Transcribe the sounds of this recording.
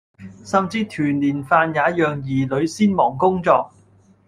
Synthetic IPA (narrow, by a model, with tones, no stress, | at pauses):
sɐ˨mt͡siː˧t̪ʰyː˨˩nliː˨˩nfaː˧njaː˨˥jœː˨ŋjiː˨˩lɵ˨˧˥ɥsiː˥nmɔː˨˩ŋkʊ˥ŋt͡sɔː˧k̚